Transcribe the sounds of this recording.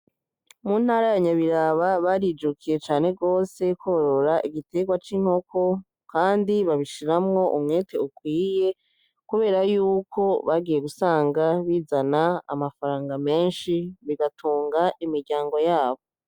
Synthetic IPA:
mun̥haɾajaɲaβiɾaβaβaɾid͡ʒukʰije̞t͡ʃaːne̞ɡo̞ːse̞koɾo̞ɾaʔiɡite̞ɡwat͡ʃiːŋ̥ho̞kʰo̞ | kaːndiβaβiʃiɾamŋo̞ʔumŋe̞ːtʰe̞ukwiːje̞ | kuβe̞ːɾajuːkʰo̞βaɡiːje̞ɡusaːŋɡaβiːzanaa̰mafaɾaːŋɡame̞ːnʃiβiɡatʰuːŋɡaʔimiɾɟaːŋɡo̞jaːβo̞

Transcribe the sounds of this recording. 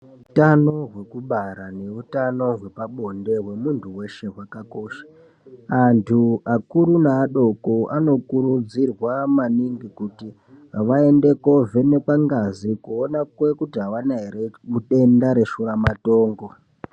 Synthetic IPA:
utano̞ɦwe̞kuɓaɾane̞utano̞ɦwe̞paɓo̞nde̞ɦwe̞muntʰuwe̞ʃe̞ɦwakako̞ːʃḁ | antʰuakuɾunaːɗo̞koano̞kuɾud͡zirwamaniŋɡikuti | ɦaʋae̞nde̞ko̞vene̞kaŋɡazikuonakwe̞kutiɦaʋanaeremuɗe̞ndaɾe̞ʃuɾamato̞ːŋɡo̞

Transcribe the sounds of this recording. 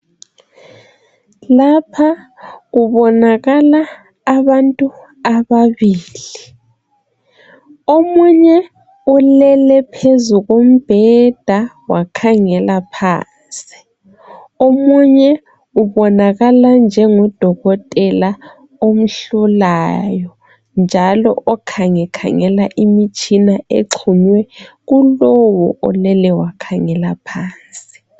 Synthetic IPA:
lapʰaɣuβɔnaɣalaː | βantʼu | aβaβiːli | omuɲɛ | ulɛlɛpʰezuɣom̩b̥ʱɛd̥ʱa | wakʰaŋɛlapʰa̰ː | sʼi̥ | omuɲɛ | uβɔnaɣaland͡ʒʱɛŋɔd̥ʱɔɣɔtʼɛla | om̩ɬulajɔ | nd͡ʒʱalɔ̰ʔɔkʰaŋɛkʰa̰ŋɛlaʔimit͡ʃʼinaḛǁʰuɲwɛ | ɣulɔwɔ̰ʔɔ̰lɛlɛwakʰaŋɛlapʰaːnsʼi̥

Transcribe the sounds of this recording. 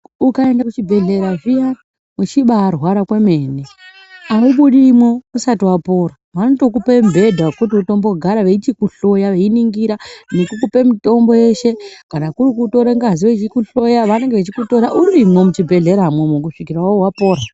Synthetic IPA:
ukae̞ndakut͡ʃibʱe̞ɮe̞ɾavijan | mut͡ʃiɓaːrwaɾakweme̞ːne | auɓuɗimwo̞usatiwapo̞ːɾa | manoto̞k̬upembʱe̞dʱakut̬iuto̞mbo̞ɡʱaɾaʋe̞itikuɬo̞jaʋe̞iniŋɡiɾanekukupe̞mito̞mbo̞je̞ʃe̞kanakuɾik̬utoɾeŋɡaziʋet͡ʃikuɬo̞jaʋane̞ŋɡeʋet͡ʃikuto̞ɾaʔuɾimwo̞mut͡ʃibʱe̞ɮe̞ɾamwomok̬uʂikiɾawowapo̞ːɾa

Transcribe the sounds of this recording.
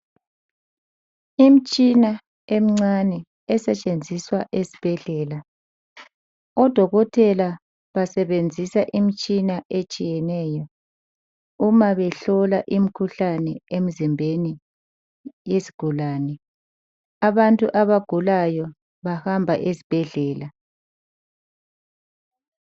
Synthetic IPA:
im̩t͡ʃʼina | em̩ŋ͡ǀanɛ | ɛsɛt͡ʃʼend͡zʱiswaʔesi̥b̥ʱɛɮɛːla | ɔd̥ʱɔɣɔtʰɛla | βasɛβend͡zʱisaʔim̩t͡ʃʼinaʔet͡ʃʼijɛnɛːjɔ | umaβɛɬɔlaʔim̩kʰuɬanɛem̩zimbʱeni | jeziɡ̥ʱulaːnɛ | aβantʼuʔaβaɡ̥ʱulajɔ | βahambʱaʔezib̥ʱɛɮɛːla

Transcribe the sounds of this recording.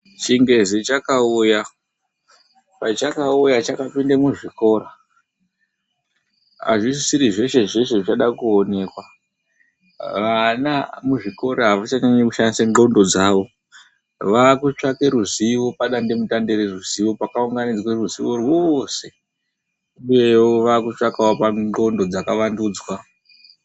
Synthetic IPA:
t͡ʃiŋɡe̞zet͡ʃakauja | pat͡ʃakaujat͡ʃakapindemuʐiko̞ɾa | a̰ʐisisiɾiʐe̞ʃe̞ʐe̞ʃeʐit͡ʃaɗakuone̞kwa | ʋanamuʐiko̞ɾaaʋat͡ʃaɲaɲekuʃandisaŋɡo̞ndo̞d͡zaʋo̞ | ʋakut͡ʂake̞ɾuziʋo̞paɗande̞mutande̞ɾeruziʋo̞pakauŋɡanid͡zweruziʋo̞rwo̞se̞ | uje̞woʋakut͡ʂakawapaŋ͡ǃo̞ndo̞d͡zakaʋanduːd͡zwa

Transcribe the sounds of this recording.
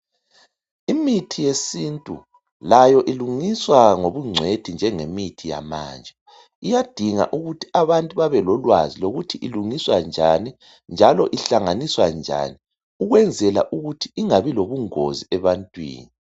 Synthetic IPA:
imitʰijesintʼu | lajɔʔiluŋiswaŋoβuŋ͡ǀʱwed̥ʱind͡ʒʱɛŋemitʰija̰ma̰ːnd͡ʒʱɛ | ijad̥ʱiŋa̰ʔuɣutʰi̥aβantʼuβaβɛlɔlwaziloɣutʰiʔiluŋiswand͡ʒʱani | nd͡ʒʱalɔʔiɬaŋaniswand͡ʒʱa̰ni | uɣwɛnd͡zʱɛla̰ʔuɣutʰiiŋaβiloβuŋo̰ziɛβantʼwḭːni

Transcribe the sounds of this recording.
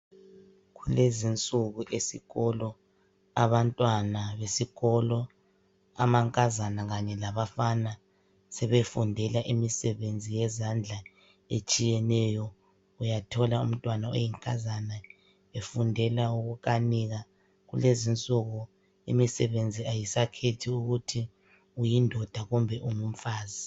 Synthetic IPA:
ɣulezint͡sʼuɣuʔesḭɣɔlɔ | aβantʼwanaβesiɣɔlɔ | a̰maŋkʼazanaɣaɲɛlaβafana | sɛβefundʱɛlaʔimisɛβend͡zʱijɛzand͡ɮʱa | et͡ʃʼijɛnɛjɔ | ujatʰɔlaṵm̩tʼwanao̰jiŋkʼazana | efundʱɛlauɣukʼaniɣa | ɣṵlezint͡sʼɔɣɔ | ḭmisɛβend͡zʱiajisakʰetʰiuɣutʰi | ujindʱɔd̥ʱaɣumbʱɛʔumum̩faːzi

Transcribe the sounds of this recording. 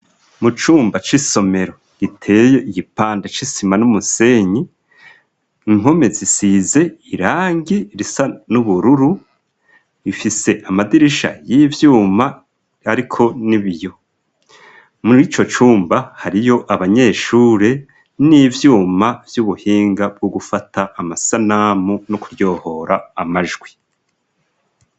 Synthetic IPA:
mut͡ʃuːmbat͡ʃiso̞me̞ɾo̞ | ɡ̥itʰe̞ːjo̞iɡipaːndet͡ʃisimanumuse̞ːɲi | ŋ̥o̞me̞zisize̞iɾaːŋɡiɾisanuβuɾuɾu | ifise̞ʔamadiɾiʃa̰jivjuːmaː | ɾikʰo̞niβijo̞ | muɾit͡ʃo̞t͡ʃuːmbahaɾijo̞ʔaβaɲe̞ːʃuːɾe̞ | nivjuːmavjuβuhiːŋɡab̚ɡoɡufatʰaːmasanaːmunokuɾjo̞ːho̞ɾaːmaʒɡwi

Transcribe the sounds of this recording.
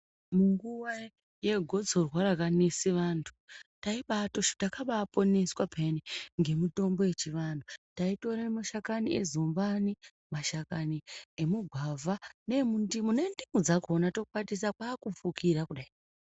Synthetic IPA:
muŋɡuwa | je̞ɡʱo̞d͡zorwaɾakanisiʋantʰu̥taiɓato̞ʃo̥takaɓapo̞ne̞swapʰeneŋɡe̞muto̞mbo̞je̞t͡ʃiʋandutaito̞ɾemaʃakaniḛzumbani | maʃakaniemuɡʱwavʱane̞mundimune̞ndimud͡zakonato̞kuɓatis̬akwaːkup͡fukʰiɾakuɗai

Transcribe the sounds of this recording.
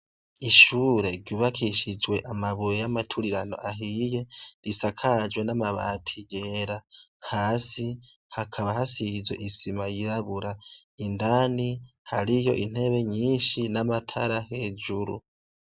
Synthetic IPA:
iʃuːɾe̞ɾɟuːβakʰiʃid͡ʒwe̞ʔamaβujjamatʰuɾiɾano̞̰ʔaɦije̞ɾisakʰad͡ʒwe̞namaβa̰tʰije̞ɾahaːsi | hakʰaβahasizwe̞̰ʔisimajiɾaβuɾa | indani | haɾijo̞̰ʔin̥he̞βe̞ɲiːnʃinamatʰaɾahe̞ːd͡ʒuɾṵ

